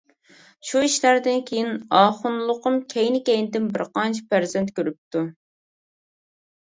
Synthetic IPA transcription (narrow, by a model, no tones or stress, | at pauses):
ʃuiʃlæɾd̪ɪnkʲʰejinɑːχʊnlˠʊqʊmkʲʰɛjnɪkʲɛjnɪd̪ɪnbɪɾqɑnt͡ʃʰi̥pæɾzɛnt̪kʲøɾyp̚t̪ʰu